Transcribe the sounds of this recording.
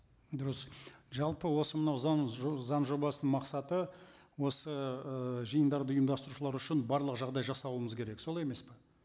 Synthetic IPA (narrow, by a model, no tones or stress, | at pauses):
d̪ʊɾəsʒɑlˠpəwo̞səmənɑwzɑnzɑnʒo̞bɑsənəmɑqsɑt̪ə | wo̞səəʒijənd̪ɑɾd̪əʊjəmd̪ɑst̪əɾuʃəlˠɑɾʏʃɪnbɑɾlˠəqʒɑʁd̪ɑjʒɑsɑlˠuəməzkʰʲeɾe̞kso̞lˠɑjeme̞spɪ